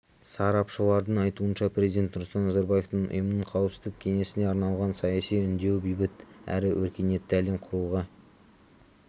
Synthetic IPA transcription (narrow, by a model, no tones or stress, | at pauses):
sɑɾɑpʃəlˠɑɾd̪əɴɑjt̪uənʃɑprʲe̞zijd̪e̞nt̪nʊɾst̪ɑnːɑzɑɾbɑje̞ft̪əɴʊ̰jəmnəɴqʰɑwəpsɪzd̪ɪk̚ʲkʲʰe̞ŋe̞sɪne̞ɑɾnɑlˠʁɑnsɑjɑsijʏnd̪e̞wbijbɪt̪æ̰ɾɪwʔɵɾkʲe̞ne̞t̪ːɪælemqʰʊɾuʁə